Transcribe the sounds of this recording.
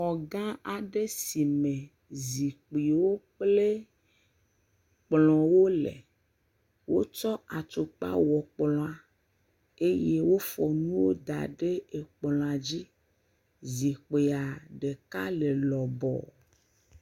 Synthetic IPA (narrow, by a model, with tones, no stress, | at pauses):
ɔ˨ɡã˦a˨ɖe˦si˨mẽ˨ | zi˨k͡pi˨wo˦k͡ple˦ | k͡plɔ̃˨wo˦lḛ˨ | wo̰˦t͡ʃɔ˦a˨t͡ʃo˨k͡pa̰˦wɔ˨k͡plɔ̃˨a˨ | e˦je˦wo˦fɔ˨nũ˦wo˦d̪a̰˨ɖe˦e˨k͡plɔ̃˨a˨d͡ʑi˦ | zi˨k͡pe˨a˨ɖe˨ka˦le˨lɔ˨bɔ̰˨